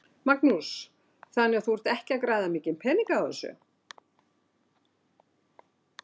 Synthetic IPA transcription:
maknus | θanːɛɣaθuvɛɾ̥t̪ɛhcɪakɾaːjðamɪːcɪnpʰɛːniŋkaaɛsʏ̰

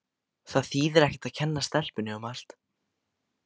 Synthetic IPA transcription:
θaðθiːðɛɾɛhcɪ̥t̪aðcʰɛnːast̪ɛl̥pʏnːɪʏmal̥t̪

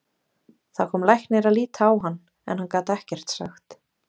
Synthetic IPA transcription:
θakʰɔːmlajhk̪neɾaðliːt̪ʰaːwɦanː | ɛ̰nhankaːt̪ɛhcɛr̥t̪sa̰xt̪

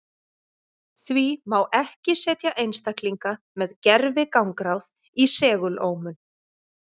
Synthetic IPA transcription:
θvimawʔɛhcɪsɛːt̪jaʔejnst̪akliŋka | mɛðcɛɾvɪkawŋkɾawð | isɛːɣʏloːwmʏn

